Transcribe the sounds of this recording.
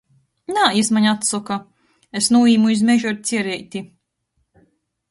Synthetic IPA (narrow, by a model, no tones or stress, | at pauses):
naːismaɲat̪sɔka | esnuːiːmuizmɛʒɔɾt̪sʲiɛɾɛjt̪ʲi